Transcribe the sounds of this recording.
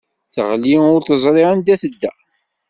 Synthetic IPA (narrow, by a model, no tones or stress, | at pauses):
θə̰ʁliʊɾθəzˤɾˤiand̪æθəd̪ːæ